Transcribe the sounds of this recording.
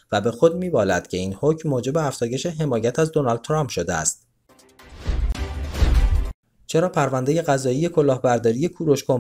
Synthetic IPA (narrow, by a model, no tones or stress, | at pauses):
væbe̞xo̞d̪̚miːbɒːlæ̰d̪̥cʰe̞iːnhocʰmːoːd͡ʒe̞be̞æfz̥ɒːje̞ʃe̞ɦe̞mɒːjæt̪ʰæzd̪o̞nɒld̪t̪ʰːɾɒmpʰʃod̪eæ̰st̪̚ | t͡ʃʰe̞ɾɒːpʰæɾvænd̪e̞je̞ɣæzɒːije̞kʰo̞lɒːhbæɾd̪ɒːɾije̞kʰuɾo̞ʃkom